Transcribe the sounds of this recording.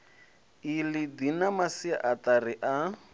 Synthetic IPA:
ilɪdinamasia̰ʔatarɪʔa

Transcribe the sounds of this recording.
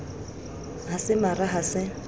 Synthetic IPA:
ɦasɪmaraɦasɪ

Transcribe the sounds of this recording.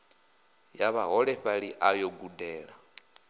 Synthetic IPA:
jaβaɦɔɺɛɸaɺiʔajoɡudɛːɺa

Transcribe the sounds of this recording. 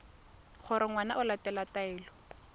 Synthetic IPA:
χʰʊɾɪŋwana̰ʔʊlatɛlataɛːlɔ

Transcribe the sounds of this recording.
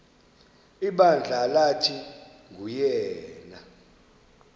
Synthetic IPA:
iɓand͡ɮʱalatʰi | ŋujɛːna

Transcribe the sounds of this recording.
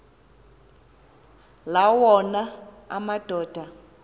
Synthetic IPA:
lawɔna | a̰mad̥ʱɔːd̥ʱa

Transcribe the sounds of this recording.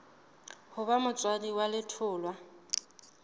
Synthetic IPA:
hʊβamʊt͡sʼwadiwalɪtʰʊːlwa

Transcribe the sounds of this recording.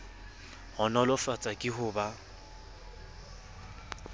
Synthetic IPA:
hʊnɔlɔfat͡sʼakʼɪɦʊːba

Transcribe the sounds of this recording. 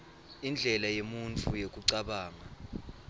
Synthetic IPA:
ind͡ɮʱɛlajemunt͡fʰujek̬ʼuǀaɓaːŋa

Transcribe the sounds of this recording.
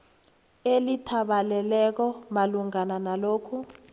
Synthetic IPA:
elitʰaɓalɛlɛk̬ɔmaluŋananaloːkʰu

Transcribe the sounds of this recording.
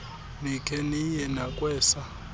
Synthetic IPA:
nikʰɛnijɛnakʼwɛːsa

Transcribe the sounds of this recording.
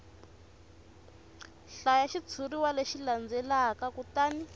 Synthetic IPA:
ɬajaʃit͡sʰuriwaleʃiland͡zɛlakakutaːni

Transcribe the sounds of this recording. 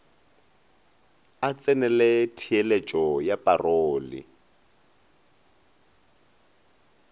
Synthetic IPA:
at͡sʼɛnɛlɛtʰielet͡ʃʼɔjapʼaroːlḭ

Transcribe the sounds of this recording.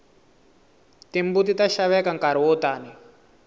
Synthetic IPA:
timbutitaʃaβɛkaŋkaɾiwɔtaːni

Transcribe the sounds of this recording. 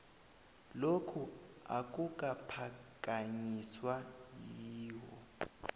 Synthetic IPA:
lokʰua̰k̬ʼuk̬ʼapʰakʼaɲiswajiːwɔ

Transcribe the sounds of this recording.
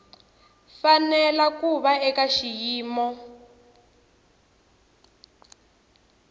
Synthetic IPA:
fanɛlakuβaɛkaʃijiːmɔ

